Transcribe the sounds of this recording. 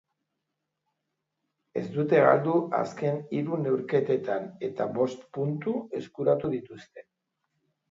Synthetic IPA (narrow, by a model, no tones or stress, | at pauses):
e̞zd̪ut̪e̞ɣa̰ld̪uʔa̰ske̞niɾune̞wɾke̞t̪e̞t̪ane̞t̪a̰βo̞st̪punt̪ue̞skuɾat̪uðit̪ust̪e̞̥